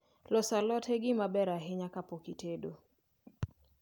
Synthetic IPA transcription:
lɔsalɔtʰeɡɪmabɛɾaɦɪɲakapokitedo

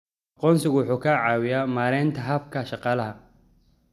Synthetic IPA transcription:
ʔɑqɔːnsɪɣʊwʊħuːkʰɐʕɑːwɪjaːmaːɾɛːnt̪ʰɐɦɐbkʰɐʃɑqɑːlɐɦɐ

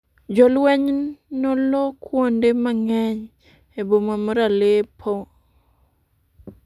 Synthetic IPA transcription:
d͡ʒolwɛɲnnɔlɔkʰwondemaŋɛɲ | ebomamɔɾalepʰo

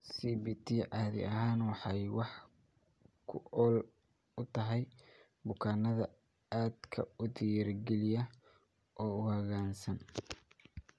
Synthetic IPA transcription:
siːbiːt̪ʰiʕɑːðɪ̰ʔɐɦaːnwɑħɑjwɑħ | kʰʊʔɔːl | ʊt̪ʰɐɦɛj | bʊkʰaːnɐðɐ | aːd̪kʰɐ̰ʊd̪ɪjɐrɡɛlɪjɐ | ʔɔːʊhɐɣaːnsɐn

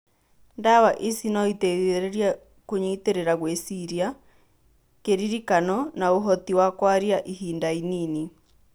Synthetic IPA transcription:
ndawaʔesinɔiteɾeɾia | koɲiiteɾeɾaɣwesiɾia | keɾiɾikanɔnaoɦɔt̪iwakwaɾiaʔiɦiːndainini

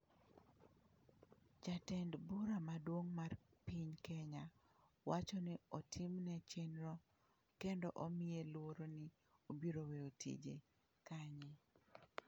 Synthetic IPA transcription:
d͡ʒatɛndbʊɾamadwoŋmarpiɲkɛɲa | wat͡ʃɔnɪɔtʰɪmnɛt͡ʃenɾɔ | kendɔʔomɪelʊwoɾonɪ | obiɾoweotʰḭd͡ʒḛ | kaɲɪ

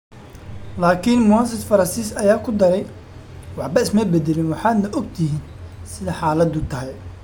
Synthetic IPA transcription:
laːkʰɪnmʊɐns̬ɐd̪fɐɾɐnsiːsɐjaːkʰʊd̪ɐɾɛj | wɑħbɐɪsmɛbɛd̪ɛlɪnwɑħɑːd̪nɐʔɔɡ̚t̪ʰɪɦiːn | sɪðɐħaːlɐd̪ʊt̪ʰɐɦɛj

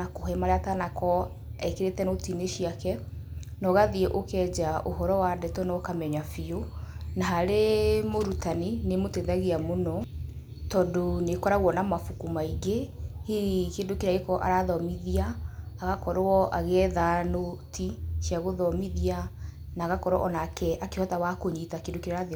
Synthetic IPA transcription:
akoɦɛmaɾeatanakɔ | ɛkeɾetɛnotineʃiakɛ | nɔɣaðiɛʔokɛd͡ʑaʔoɦɔɾɔwadɛtɔnɔkamɛɲafionaɦaɾemoɾutaninemotɛðaɣiamonɔ | tɔːndonekɔɾaɣwɔnamafukumaiɡehiikeːndokeɾeaɣekɔʔa̰ɾaðɔmiðiaːɣakɔɾɔʔaɣɛðanotiʃjaɣoðɔmiðia | naːɣakɔɾwɔ̰ʔɔnakɛakehɔtawakoɲitakeːndokeɾeaɾaðe

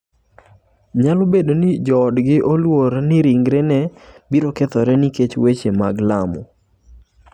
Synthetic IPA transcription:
ɲalobedonɪd͡ʒɔːdɡɪʔolwoɾnɪɾiŋɡɾenɛbiɾoket̪ɔɾɛniket͡ʃwet͡ʃemaɡlamɔ̰

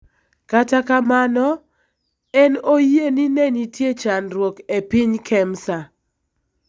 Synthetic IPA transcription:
katakamanɔ | ɛnojeninenitjet͡ʃanɾwokepɪɲkʰɛmsa

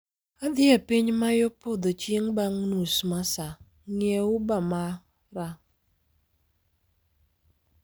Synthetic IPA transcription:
ad̪ɪapiɲmajopod̪ot͡ʃjeŋbaŋnusmasa | ŋjeʊbama | ɾa

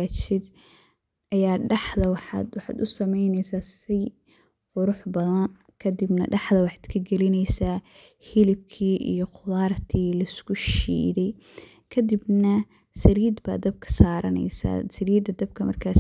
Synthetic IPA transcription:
t͡ʃɪd̪ | ʔɐjaːɖɑħðɐwɑħɑ̰d̪wɑħɑ̰ːd̪ʊsɐmɛjnɛjsaːssɛj | qʊɾʊħbɐðɐn | kʰɐd̪ɪbnɐ̰ɖɑħd̪ɐwɑħɑd̪̥kʰɐɡɛlɪnɛjsaː | hɪlɪb̚kʰiːʔḭjɞqʰʊlaːrt̪ʰiːlɐɪskʰʊʃḭːðɛj | kʰɐd̪ɪbnɐ | sɐliːd̪ba̰ːd̪ɐb̚kʰɐ̥saːɾɐnɛ̰jsa̰ːsɐliːd̪ɐd̪ɐb̚kʰɐmɐ̰rkʰaːs

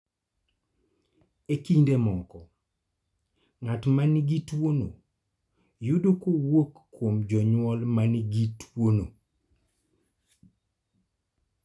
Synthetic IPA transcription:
ekindemɔkɔ | ŋatmaniɡitwono̰ | judokowokːwomd͡ʒɔɲwɔlmaniɡitwono̰

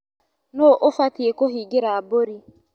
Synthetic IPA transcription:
noʔofatiekoɦiɡeɾaaboɾi

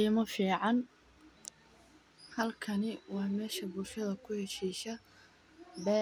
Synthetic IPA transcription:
imɐfiːʕɑn | hɐlkʰɐnɪwɑːmɛːʃɐbʊlʃɐðɐkʰʊhɛʃiːʃɐ | bɛː

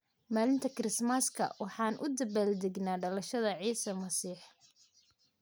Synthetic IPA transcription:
maːlɪnt̪ʰɐkʰɪɾɪsmɐskʰɐ̰wɑħɑːnʔʊd̪ɐbaːld̪ɪɡnaːɖɐlɐʃɐðɐʕiːsɐmɐsiːħ

